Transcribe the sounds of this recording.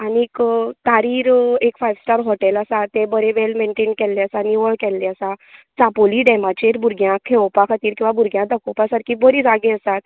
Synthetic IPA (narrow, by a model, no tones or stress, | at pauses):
aniːkt̪aɾiːɾekfajʋsʈəɾɦɔʈɛləsat̪ebəɾeʋelmeɳʈenkɛlːeəsaniʋəɭkɛlːeəsã | t͡sapoliːɖɛmat͡ɕeɾbʱuɾɡjãkʰeʋɔpakʰat̪iːɾkĩw̃ʋabuɾɡjãd̪əkɔpasəɾkʰibəɾiːd͡zaɡẽəsat̪̚